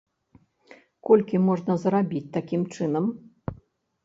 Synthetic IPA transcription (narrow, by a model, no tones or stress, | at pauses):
kɔlʲkʲimɔʐnɐzɾabʲit͡sʲt̪akʲimt͡ʂɨnɐm